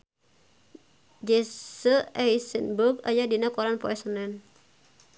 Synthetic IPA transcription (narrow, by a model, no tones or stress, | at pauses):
d͡ʒesəajsənbuka̰jadinakɔɾanpɔɛsənɛn